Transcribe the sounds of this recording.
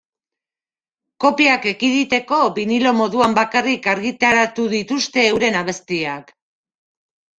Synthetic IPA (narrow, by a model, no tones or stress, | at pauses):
ko̞piake̞kiðit̪e̞ko̞βinilo̞mo̞ðuambakarikaɾɣit̪aɾat̪uðit̪ust̪e̞ːwɾe̞naβ̞e̞st̪iak